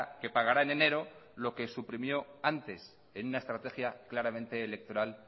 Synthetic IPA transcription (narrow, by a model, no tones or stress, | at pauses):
ke̞paɣaɾaene̞ne̞ɾo̞lo̞ke̞supɾimjo̞ant̪e̞s | e̞nunae̞st̪ɾat̪e̞xjaklaɾamẽ̞nt̪e̞ːle̞k̚t̪o̞ɾal